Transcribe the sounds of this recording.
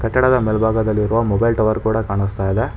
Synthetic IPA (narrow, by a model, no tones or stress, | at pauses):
kɐʈːɐɽɐd̪ɐmelbʱaːɡɐd̪ɐlːiɾuʋɐmɔbɐjlʈɐʋɐɾkuːɽɐkaːɳist̪aːjd̪e